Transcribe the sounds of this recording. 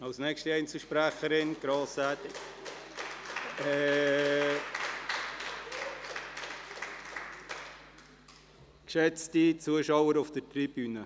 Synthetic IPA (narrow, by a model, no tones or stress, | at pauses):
ɑlsnɛkʃtiɛɪnt͡səʃpɾæχəɾɪnɡ̥ɾɑːsætɪk | ɛ | kʃɛt͡stit͡suəʃɑwəɾʊfd̥ətɾib̥yːnə